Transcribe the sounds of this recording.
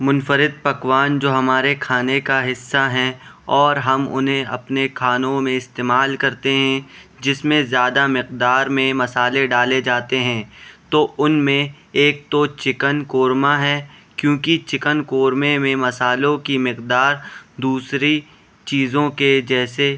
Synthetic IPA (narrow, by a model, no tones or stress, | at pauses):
mʊnfəɾɪd̪̚pɐkʋaːnd͡ʒoːɦɐmaːɾekʰaːnekaɦɪsːaɦɛ̃ɔːɾɦɐmʊ̰nɦẽɐ̰pnekʰaːnõmẽɪst̪eːmaːlkɐɾt̪eɦɛ̃ | d͡ʒɪsmẽzjaːd̪amɪqd̪aːɾmẽmɐsaːleɖaːled͡ʒaːt̪eɦɛ̃ːt̪oːʔʊnmẽ | eːk̚t̪ot͡ʃɪkənkoːɾmaɦɛːkjõːkit͡ʃɪkənkoːɾmemẽmɐsaːlõkimɪqd̪aːɾd̪uːsɾi | t͡ʃiːzõked͡ʒɛːse